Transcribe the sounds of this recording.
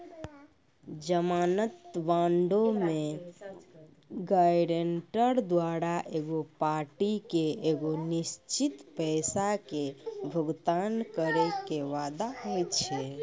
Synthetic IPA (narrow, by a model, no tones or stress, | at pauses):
d͡ʒəmanət̪ʋaɳɖome | ɡajɖeɳʈəɾd̪waɾaʔeɡopaɾʈikeeɡonist͡ʃit̪pəɪsakebʱəɡt̪ankəɾekeʋad̪aɦojt͡ʃʰɛ